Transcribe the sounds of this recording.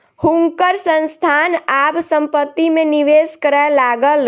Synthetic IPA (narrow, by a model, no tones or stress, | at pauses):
hũŋkəɾsə̃nst̪ʰaːnaːbsə̃mpət̪ːimẽniʋeːskəɾəlaːɡəl